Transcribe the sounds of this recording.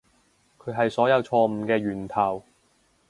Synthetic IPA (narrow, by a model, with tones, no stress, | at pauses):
kʰɵ˨˧ɥɦɐ˨jsɔː˨˥jɐ˨˧wt͡ʃʰɔː˧m̩ː˨˧kɛː˧ɥyː˨˩nt̪ʰɐ˨˩w